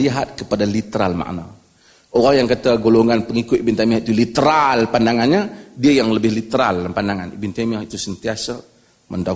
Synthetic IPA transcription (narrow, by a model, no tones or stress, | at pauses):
liɦat̪̚kəpadalit̪əɾalma̰ʔna | oɣajaŋkət̪aɡoloŋanpəŋikʊt̪ibint̪amiahit̪ulit̪əɾalpandaŋanɲadiajaŋləbɪhlit̪əɾa̰lpandaŋanibint̪amiahit̪usənt̪iasa | mənda